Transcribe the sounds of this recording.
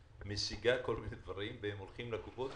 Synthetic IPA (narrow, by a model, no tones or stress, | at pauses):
mesiɡako̞lmined̪vaʁimvehemolχimlekupot̪